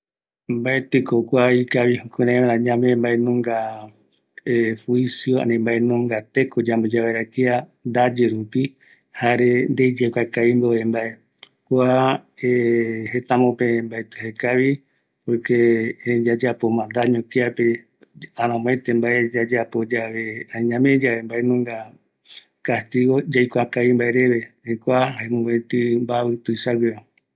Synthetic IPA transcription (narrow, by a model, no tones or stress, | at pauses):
mbaet̪ɨkokʷaikaβihukeɾããɾãɲãmẽmbaenũŋɡa | efwisjoã̰nĩmbaenũŋɡat̪ekod͡ʒambod͡ʒaβeɾakiand̪ad͡ʒeɾupi | haɾend̪ejd͡ʒekʷakaimboembae | kʷaehet̪ãmõpembaet̪ɨhekaβi | pojked͡ʒad͡ʒapo̞mãnd̪aɲõkeape | ãɾ̃ãmõẽt̪embaed͡ʒad͡ʒapo̞d͡ʒaβeãɲãmẽd͡ʒaβembaenũŋɡa | kast̪iɣo̞d͡ʒajkʷakaβimbaeɾe̞βe̞hajkʷahaemũβet̪ɨmbaβɨt̪ɨsaɡʷea